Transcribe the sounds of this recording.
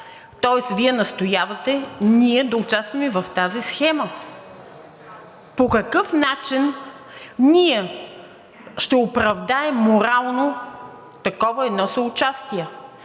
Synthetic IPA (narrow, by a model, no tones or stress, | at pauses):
t̪ɔɛsviɛnɐst̪ojavɐt̪ɛniɛd̪ɐʊt͡ʃast̪vɐmɛvɐft̪azisxɛmə | pokɐkɤfnat͡ʃin | niɛ | ʃt̪ɛopɾɐvd̪aɛmːoɾalˠno | t̪ɐkɔvɐɛd̪nɔsɐʊt͡ʃast̪iɛ